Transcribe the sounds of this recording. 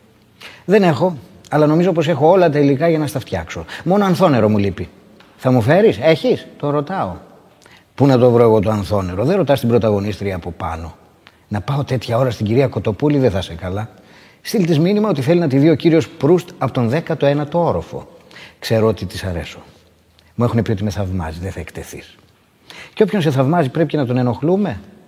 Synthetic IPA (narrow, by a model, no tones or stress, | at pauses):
ðe̞ne̞xo̞ | ɐlɐno̞mizo̞po̞se̞xo̞o̞lɐt̪̬elikɐʝɐnɐst̪ɐft̪çɐkso̞mo̞no̞ɐnθo̞ne̞ɾo̞mulipi | θɐmufe̞ɾise̞çist̪o̞ɾo̞t̪ɐo̞ | punɐt̪o̞vɾo̞e̞ɣo̞t̪oɐnθo̞ne̞ɾo̞ðeɾot̪ɐst̪ibɾo̞t̪ɐɣo̞nist̪ɾiɐːpo̞pɐ̰no̞ | nɐpɐo̞t̪e̞t̪çɐo̞ɾɐst̪iɲɟiɾiɐko̞t̪o̞puliðeθɐsekɐlɐ | st̪ilt̪izminimɐo̞t̪iθe̞linɐt̪iðio̞ciɾio̞spɾust̪ɐpot̪o̞nðe̞kɐt̪oenɐt̪ooɾo̰fo̞̰kse̞ɾoot̪it̪isɐɾe̞̰so̞̥ | mue̞xune̞pio̞t̪imeθɐvmɐ̰ziðeθɐe̞kt̪e̞θḭs | ceo̞pçons̬e̞θɐvmɐzipɾepicenɐt̪o̞ne̞no̞xlume̞